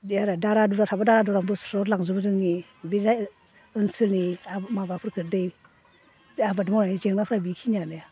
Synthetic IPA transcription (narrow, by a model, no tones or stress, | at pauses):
aɾadaɾaduɾatʰabadaɾaduɾaŋbɯsɾɔɾlaŋzubzɯŋni | biza | ɯnsɯlniamabapʰɾkʰɯdej | abadmananizeŋnapʰɾabikʰinanɯja